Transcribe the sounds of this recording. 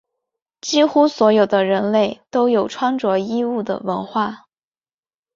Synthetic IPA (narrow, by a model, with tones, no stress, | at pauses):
t͡ɕi˥xu˥swɔ˧˥jo˨˩ʊd̪ə˦ɻə˧˥nle˥˩ɪt̪o˥ʊjo˨˩ʊʈ͡ʂʰwa˥ŋʈ͡ʂwɔ˧˥i˥u˥˩d̪ə̰˩wə˧˥nxwa˥˩